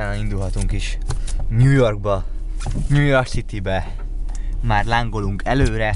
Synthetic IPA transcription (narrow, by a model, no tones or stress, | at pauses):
aːnɒind̪ulɦɒt̪uŋkiʃɲuːjo̞rɡ̚bɒ | ɲuːjo̞rksit̪ibɛ | maːrlaːŋɡo̞luŋkʰɛløːɾɛ